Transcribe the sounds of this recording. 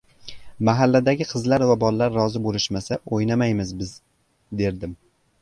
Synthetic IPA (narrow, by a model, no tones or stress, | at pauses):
maɦalːad̪aɡʲɪqʰɨzlaɾvabɒlːaɾːɒzɪbolɪʃmasaʔojnamajmɪzbɪz | d̪e̞ɾd̪ɪm